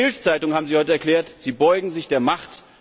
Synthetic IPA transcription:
ɪlst͡saɪtʊŋhaːbm̩ziːhɔʏtəɛɐkl̥ɛːɐtz̥iːbɔʏɡŋ̩zɪçd̥eːɐmaχt

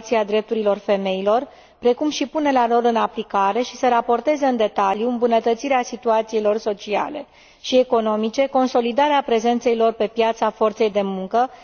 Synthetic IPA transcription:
t̪siad̪ɾe̞p̚t̪uɾilo̞rfe̞me̞ilo̞r | pɾe̞kumʃipune̞lalo̞lɨnaplikaɾe̞ʃisəɾapo̞rt̪e̞zeɨnd̪e̞t̪aljuɨmbunət̪ət̪siɾeasit̪uat̪siilo̞rso̞t͡ʃia̰le̞̰ | ʃie̞ko̞no̞mit͡ʃe̞ko̞nso̞lid̪aɾeapɾe̞ze̞nt̪se̞ilo̞rpe̞pjat̪safo̞rt̪se̞jd̪e̞muŋkə

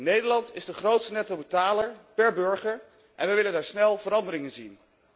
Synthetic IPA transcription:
nejdəɹlɑntɪzdəχrowtstənɛtowbətaːləɹpɛɹbɵɹχəɹ | ʔɛnʋɛjʋɪləndaːɹsnɛlˠvəɾɑndəɾɪŋənzin

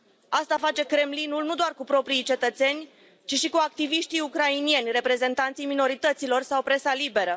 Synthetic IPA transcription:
ast̪afat͡ʃe̞kɾe̞mlinulnud̪oarkupɾo̞pɾijt͡ʃe̞t̪ət̪se̞nʲ | t͡ʃiʃikuak̚t̪iviʃt̪ijukɾainie̞nʲrepɾe̞ze̞nt̪ant̪sijmino̞ɾit̪ət̪silo̞rsawpɾe̞salibe̞ɾə

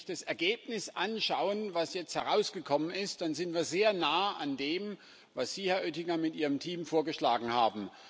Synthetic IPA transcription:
çd̥asɛɐɡeːpnɪsʔanʃaʊənvasjɛt͡sthɛʁaʊsɡ̥əkʰɔmənɪst̚d̥anzɪntviːɐzeːɐnaːʔandeːm | vasz̥iːhɛɐʔøtɪŋɐmɪtʔiːʁ̞əmtʰiːmfoːɐɡəʃlaːɡŋ̩haːbm̩

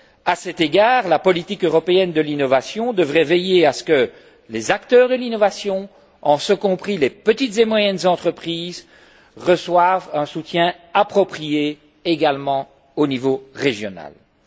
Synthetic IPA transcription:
asɛt̪eɡaːʁlapɔlit̪ikøʁɔpeɛnd̪əlinɔvasjɔ̃d̪əvʁɛvejeasə̥kə | lezak̚t̪œːʁd̪əlinɔvasjɔ̃ | ɑ̃səkɔ̃pχilepət̪it̪zemwajɛnzɑ̃t̪χəpχiːz | ʁəswavɛ̃sut̪jɛ̃ | apχɔpχijeː | ɡalmɑ̃ | onivoʁeʒjɔna̰l

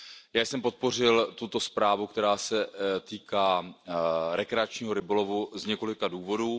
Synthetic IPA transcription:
jaːjsɛmpo̞t̪̚po̞r̝ɪlt̪ut̪o̞spɾaːvukt̪ɛɾaːsɛt̪iːkaː | ɾɛkɾɛat͡ʃɲiːɦoɾɪbolo̞vuzɲɛko̞lɪkaduːvo̞duː

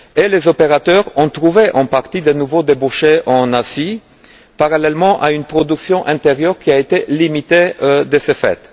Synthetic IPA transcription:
elezopeʁat̪œʁɔ̃t̪ʁuveʔɑ̃paʁt̪id̪ənuvod̪ebuʃeʔɑ̃nazi | paʁalɛlmɑ̃ʔaynpχɔd̪yksjɔ̃ʔɛ̃t̪eʁjœʁkʲiaet̪elimit̪ed̪əsefɛ̰t̪

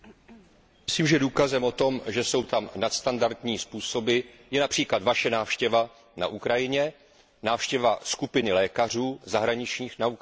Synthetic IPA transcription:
mɪsliːmʒɛduːkazɛmo̞t̪o̞mʒɛso̞wt̪amnat̪st̪andaɾt̪ɲiːspuːso̞bɪ | jɛnapr̥iːklad̪vaʃɛnaːfʃcɛva | na̰ʔukɾajɪɲɛ | naːfʃcɛvaskupɪnɪlɛːkar̝uːzaɦɾaɲɪt͡ʃɲiːxnau

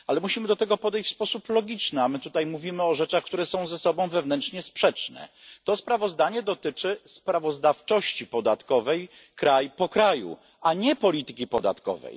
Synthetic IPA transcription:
alɛmuɕimɘd̪ɔt̪ɛɡɔpɔd̪ɛjɕt͡ɕfʲspɔsuplɔɡʲit͡ʂnɘamɘt̪ut̪ajmuvʲimɘɔʐɛt͡ʂaxkt̪uɾɛsɔ̃w̃zɛsɔbɔ̃w̃vɛvnɛntt͡ʂɲɛspʂɛt͡ʂnɛ̰t̪ɔspɾavɔzd̪aɲɛd̪ɔt̪ɘt͡ʂɘspɾavɔzd̪aft͡ʂɔɕt͡ɕipɔd̪at̪kɔvɛjkɾajpɔkɾajṵ | aɲɛpɔlʲit̪ɘkʲipɔd̪a̰t̪kɔ̰vɛ̰j

